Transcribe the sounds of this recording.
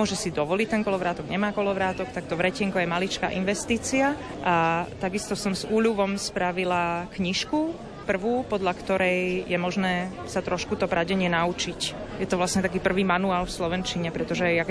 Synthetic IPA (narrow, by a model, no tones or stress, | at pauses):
mʊɔʒɛsid̪ɔʋɔlict̪ɛŋkɔlɔʋɾaːt̪ɔɡɲɛmaːkɔlɔʋɾaːt̪ɔkt̪ak̚t̪ɔʋɾɛcɛŋkɔjɛmalit͡ʃka̰ːʔinʋɛst̪iːt͡sia | ʔat̪aɡist̪ɔsɔmzuːʎuʋɔmspɾaʋilakɲiʃku | pr̩ʋuːpɔd̪ʎakt̪ɔɾɛjjɛmɔʒnɛː | sat̪ɾɔʃkut̪ɔpɾaɟɛɲɪɛnaut͡ʃic | jɛt̪ɔʋlasɲɛt̪akiːpr̩ʋiːmanuaːlfslɔʋɛnt͡ʃiɲɛpɾɛt̪ɔʒɛak